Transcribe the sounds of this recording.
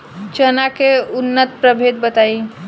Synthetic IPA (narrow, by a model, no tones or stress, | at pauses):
t͡ʃənakeunːət̪pɾəbʱed̪̚bət̪ai